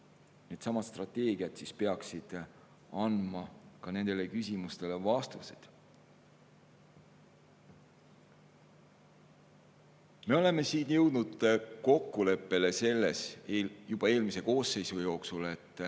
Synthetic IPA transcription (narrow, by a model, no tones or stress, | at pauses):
niet̪sɑmɑt̪st̪rɑt̪ːˑe̞ːɡ̥iɑt̪sispe̞ɑksid̪̥ | ɑnd̪mɑkɑne̞nd̪̥e̞le̞kysimust̪e̞le̞vɑst̪use̥̰d̪̥ | me̞o̞leme̞siːnjɤ̞wd̪̥nud̪̥ko̞kːule̞pːe̞le̞se̞lːe̞̰sjub̥ɑe̞ːlmise̞ko̞ːse̞jsujo̞ːksule̞t̪ːˑ